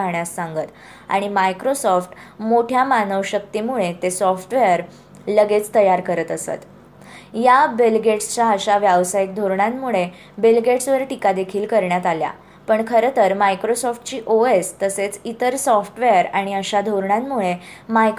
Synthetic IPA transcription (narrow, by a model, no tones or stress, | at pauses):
ɳjasːaŋɡət̪ | a̰ɽ̃imajkɾosɔfʈmoʈʰjamanəʋɕək̚t̪imuɭet̪esɔfʈʋejəɾ | ləɡet͡st̪əjaɾkəɾət̪əsə̰t̪ | jabelɡeʈst͡ɕaəɕaʋjaʋsajk̚d̪ʱoɾɳanmuɭe | belɡeʈsʋəɾʈikad̪ekʰiːlkəɾɳjat̪alja̰ | pəɳkʰəɾət̪əɾmajkɾosɔfʈt͡ɕiːʔoest̪əset͡sit̪əɾsɔfʈʋeəɾaɽ̃iəɕad̪ʱoɾɳanmːuɭemajk